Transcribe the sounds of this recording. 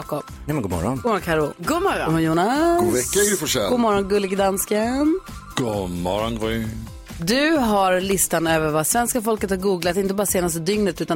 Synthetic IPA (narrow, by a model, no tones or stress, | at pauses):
kɔpnɛmɛnɡoːmɔ̰ɾɔ̰nːmɔɾɔkʰaɾʊɡomɔɾɔ̰mɔjuːnaɡvɛkːaɪfɔʂɛɡoːmɔɾɔnɡɵlːɪɡd̪anskən | ɡ̥omɔ̰ɾɔnɡɔ | d̪ɵɦaɾlɪst̪anøːvəɾvasvɛnskafɔlkət̪haɾɡuːɡlat̪ɪnt̪əbɑːɾaseːnast̪əd̪ʏŋnət̪ʉ̟ːt̪a